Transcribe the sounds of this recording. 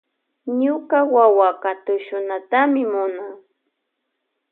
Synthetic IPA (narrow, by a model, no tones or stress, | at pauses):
ɲʊkawawakat̪ʊʃʊnat̪amɪmʊna